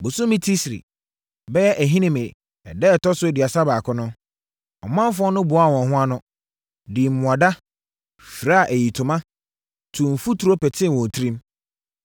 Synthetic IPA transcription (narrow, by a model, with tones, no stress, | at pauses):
bʊ˨sʊ˦mĩ˦tʰi˦sḭ˨ | bɛ˦jɛ˦ʔæ˨ɦĩ˦nĩ˦mẽ˨ | ɛ˨dɛ˦˨tɔ˦sʊ˦˨di˨a˨sa˦baː˨kʰʊ˦nʊ̃˦ | ɔ̰˨mã˦m˦fʊ˦ɔ˦nʊ̃˦bʊ˨˦a˦˨wɔ̃˨n˨ɦʊ̃˦a˦nʊ̃˦ | di˨ʊ̃˨a˨da˦ | fi˨ɾa˦a˨ʔæ˨ji˨tʰʊ̃˨mã˦ | tʰũ˨m̩˨fu˦tʰu˨ɾo˦pɛ˨tʰɪ̃˦˨n˨wɔ̃˨tʰɾĩ˦m